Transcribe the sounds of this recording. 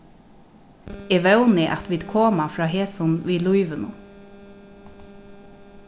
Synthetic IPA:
eːʋɛwnɪʔa̰t̪ʋiːd̪kʰoːmafɾɑːɦeːsʊnʋiːlujʋɪnʊ̰

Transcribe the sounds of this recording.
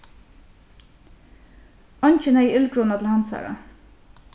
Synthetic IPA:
ɑnʲt͡ʃənhæɪɪlkʰɾuːnɑt̪l̩hɑnsæ̰ːɹɑ̰

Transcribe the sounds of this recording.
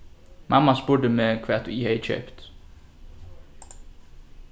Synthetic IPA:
mʔɑmɑsbʊɖəmeːkʰʋæːt̪ʰʊiːheɪçœ̰ːpt̪

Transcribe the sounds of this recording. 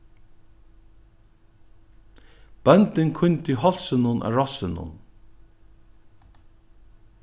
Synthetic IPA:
b̥œnt̪ɪnkʰʊnt̪ɪɦɔl̥sɪnʊnʔa̰ɹɔsɪnʊ̰n

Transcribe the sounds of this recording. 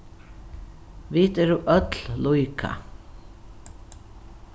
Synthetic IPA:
ʋiːt̪ɛɾuʔœt̪llujkʰa̰

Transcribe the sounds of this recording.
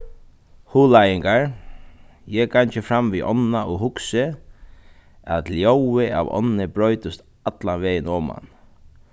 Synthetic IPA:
huːlajɪŋkaɹ | jɛːkʰant͡ʃɪfɾamʋiʔɔ̰nːaɔɦʊksɪ | æ̰t̪ljowɪa̰ʋɔ̰nːɪbɾœʏt̪ɪst̪ | at̪laʋɛːjɪnɔːma̰n

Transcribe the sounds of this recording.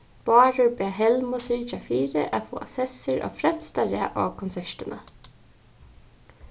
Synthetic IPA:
b̥ɑːɹʊɹbɛːɦɛlmʊsɪːt͡ʃafiːɾɪ̰ʔafo̰ːʔa̰sɛsəɹʔa̰fɾɛmst̪aɾa̰ʔa̰ːkʰɔnsɛʂt̪ɪna

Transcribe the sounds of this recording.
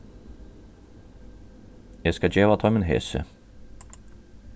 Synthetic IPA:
jæskɑd͡ʒeːʋɑːt̪ʰɑːmeːnhḛːsə̰

